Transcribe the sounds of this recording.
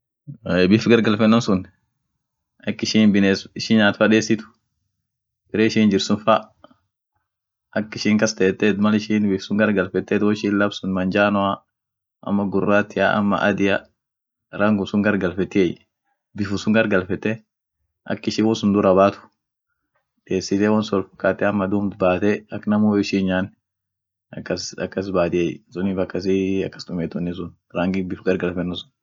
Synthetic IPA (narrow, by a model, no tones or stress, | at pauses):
ɛbɪfɡɐɾɡɐlfɛnːɔmsʊn | ɐkːɪʃinbɪnesɪʃɪnɲaːt̪fɐᶑeːsɪt̪ʊ̥ | bɪɾɛːɪʃiːnd͡ʒɪɾsʊnfa | ɐkːɪʃɪŋkɐst̪ɛt̪ːɛt̪mɐlɪʃiːnbɪfsʊŋɡɐɾɡɐlfɛt̪ːɛt̪wɔɪʃinlɐbsʊnmɐnd͡ʒaːnɔa | ʔɐ̰mːɐɡʊrːaːt̪ːɪa̰ʔɐ̰mːɐ̰ʔɐ̰d̪ɪja | ɾaːŋɡʊsʊŋɡɐɾɡɐlfɛt̪ːɪɛj | bɪfʊsʊŋɡɐɾɡɐlfɛt̪ːɛ | ʔɐ̰kːɪʃiwɔsʊnd̪ʊɾɐbaːt̪ʊ̥ | d̪eːsːɪt̪eːwɐnsʊɔlfɐ̥kːaːt̪ːɛɐmːɐd̪uːmt̪baːt̪ɛɐkːnɐmoːɪʃiːɲaːn | ɐkːɐsɐ̰kːɐs̬baːt̪ɪɛjsʊnɪfɐkːɐs̬iɐ̰kːɐ̥sd̪ʊmɛːt̪ʊnːɪs̬ʊn | ɾaŋɡɪbɪfɡɐɾɡɐlfɛnːʊsʊ̥n